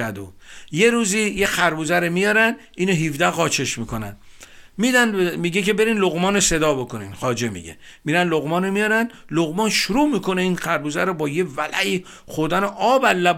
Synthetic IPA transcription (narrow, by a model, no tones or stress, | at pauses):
æd̪o | je̞ɾuːziːjexæɾbuzæɾemijɒɾænd̪ | iːnoɦifd̪æɣɒːt͡ʃʰeʃmikʰonæ̰n | miːd̪ænmiɡeke̞be̞ɾiːnloɣmɒːnose̞d̪ɒːbo̞kʰonḭːnxɒːd͡ʒemḭɡḛ | miːɾænloɣmɒːnomijɒːɾæn | loɣmɒːnʃuɾuːmiːko̞neiːnxæɾbuzæɾobɒːjevælʔæiː | xoɾd̪æneʔɒːbælːæb